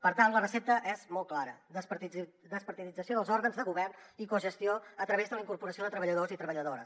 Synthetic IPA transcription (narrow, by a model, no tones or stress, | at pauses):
pəɾt̪anlərəsɛp̚t̪əʔɛzmɔl̚ˠklaɾəəsp̪d̪əspəɾt̪iðid͡zəsioðəlˠzɔɾɣənzðəɣuβɛrnikuʒəst̪ioət̪ɾəβezðələiŋkuɾpuɾəsioðət̪ɾəβəʎəðozit̪ɾəβəʎəðoɾəs